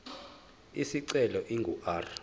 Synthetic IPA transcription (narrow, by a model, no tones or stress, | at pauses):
isiǀɛlɔʔiŋɡʱuʔaːr